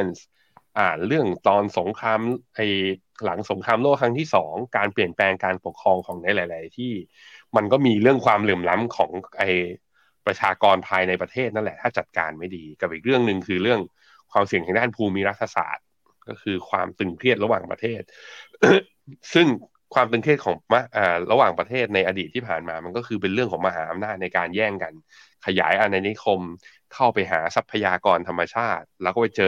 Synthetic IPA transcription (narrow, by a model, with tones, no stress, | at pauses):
ns | ʔaː˧˨˩ɾɯ˥˩əŋt̪ɔː˧nso˩˦ŋkʰɾaː˧mʔa˧j | la˩˦ŋso˩˦ŋkʰɾaː˧mloː˥˩kʰɾa˦˥ŋt̪ʰiː˥˩sɔː˩˦ŋkaː˧npli˨˩ənplɛː˧ŋkaː˧npo˨˩kʰːɾɔː˧ŋkʰɔː˩˦ŋna˧˦jlaː˨˦jla˩˦jt̪ʰiː˥˩ | ma˧nkɔː˥˩miː˧ɾɯ˥˩əŋkʰwaː˧mleː˨˩mla˦˥mkʰɔː˩˦ŋʔa˧j | pɾa˧t͡ɕʰaː˧kɔː˧npʰaː˧jna˧jpɾa˧t̪ʰeː˥˩t̪̚na˥˩nlɛ˨˩t̪ʰaː˥˩t͡ɕa˨˩t̪̚ka̰ː˧nma˥˩jdiː˧ka˨˩p̚ʔiː˨˩k̚ɾɯ˥˩əŋnɯ˨˧ŋkʰɯː˧ɾɯ˥˩əŋ | kʰwaː˧msi˨˩ŋt̪ʰɛː˨˩˦daː˥˩npʰuː˧miː˧˥ɾa˦˥t̪ʰːa˧sa̰ː˨˩t̪̚ | kɔː˥˩kʰɯː˧kʰwa̰ː˧mt̪ɯ˨˩ŋkʰɾi˥˩ət̪̚ɾa˧waː˨˩ŋpɾa̰˧t̪ʰeː˥˩t̪̚ | sɯ˥˩ŋ | kʰwaː˧mt̪ɯ˨˩ŋk̪ʰɾi˥˩ət̪̚kʰɔː˩˦ŋmʔaː˨˩ɾa˧waː˨˩ŋpɾa˧t̪ʰeː˥˩t̪̚na˧jʔa˧diː˨˩t̪ʰːiː˥˩pʰaː˨˩nmaː˧ma˧nkɔː˥˩kʰɯː˧p̬e˧nɾɯ˥˩ŋʰkɔː˩˦ŋma˧ɦaː˩˦ʔa˧mnaː˥˩t̪̚na˧jkaː˧njɛː˥˩ŋka˧n | kʰa˧ja̰ː˩˦jʔa˧naː˧ni˦˥kʰo˧m | kʰa˥˩wpa˧jɦa̰ː˩˦sa˦˥pʰːa˧jaː˧kɔː˧nt̪ʰa˧mːa˧t͡ɕʰaː˥˩t̪̚lɛː˦˥kɔː˥˩pa˧jt͡ɕɤː˧